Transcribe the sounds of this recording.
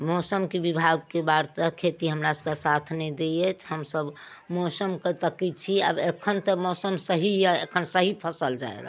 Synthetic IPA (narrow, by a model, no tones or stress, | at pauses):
mɔsəmkebibʱaɡ̚kebaɾt̪əkʰet̪iɦəmɾasəkasat̪ʰnɛd̪ejɛt͡ʃʰɦəmsəb | mɔsəmkət̪əkit͡ʃʰia̰bekʰənt̪əmɔsəmsəɦijaekʰənsəɦipʰəsəld͡ʒa̰ḛɾa̰